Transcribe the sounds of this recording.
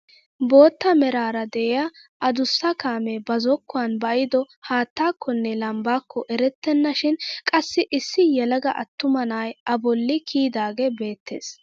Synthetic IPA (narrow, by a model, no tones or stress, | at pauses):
bo̞ːt̪ːɐmɛɾaːɾɐd̪ɛʔɛja | ʔɐd̪ʊsːɐkaːmɛbɐzɔkːʊaːnbɐʔjɪd̪ɔ | haːt̪ːaːkːɔnːɛlɐmbaːkːɔʔɛɾɛt̪ːɛnːɐʃɪnkʼɐsːɪʔɪsːɪjɛlɐɡɐʔɐt̪ːʊmɐnaːjɐbɔlːɪkʰiːd̪aːɡebe̞ːt̪ːḛːs